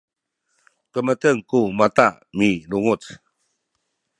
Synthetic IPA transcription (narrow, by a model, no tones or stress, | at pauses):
kəmətəŋkumat̪aʔ | miluŋut͡s